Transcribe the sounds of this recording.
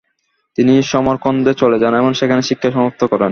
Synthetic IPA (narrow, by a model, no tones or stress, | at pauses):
t̪iniʃɔmoɾkond̪et͡ɕoled͡ʑanɛmonʃekʰaneʃikʰːaʃɔmop̚t̪ʰokɔɾen